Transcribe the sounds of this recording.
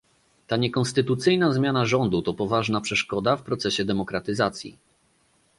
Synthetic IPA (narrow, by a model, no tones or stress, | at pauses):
t̪aɲɛkɔnst̪ɘt̪ut̪sɘjnazmʲjanaʐɔnd̪ut̪ɔpɔvaʐnapʂɛʂkɔd̪afpɾɔt̪sɛɕɛd̪ɛmɔkɾat̪ɘzat̪sʲjḭ